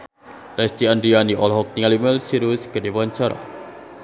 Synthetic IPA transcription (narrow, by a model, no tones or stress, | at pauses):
lɛst̪iandɾianiʔɔlɦɔk̚t̪iŋalimɛlsiɾuskədewaɲt͡ʃaɾa̰